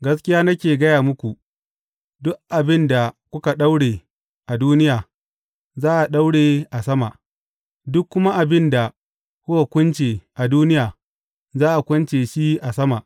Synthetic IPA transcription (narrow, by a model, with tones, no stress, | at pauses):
ɡɐ˦skʲɪ˦jaː˦nɐ˦kʲeː˨ɡɐ˦jaː˨mʊ˦kʷu˨ | dʊ˦kʔa˨bɪ˦nda˨kʷʊ˦ka˨ɗa˦wɽeː˨ | ʔa˨duː˦nɪ˦jaː˨ | zaː˦ʔa˨ɗa˦wɽeː˨ʔa˨sɐ˦ma˨ʔ | dʊ˦kːʊ˦ma˦ʔa˨bɪ˦nda˨ | kʷʊ˦wa˨kʷʊ˦nt͡ʃeː˨ʔa˨duː˦nɪ˦jaː˨ | zaː˦ʔa˨kʷʊ˦nt͡ʃeː˨ʃi˦ʔa˨sɐ˦ma˨ʔ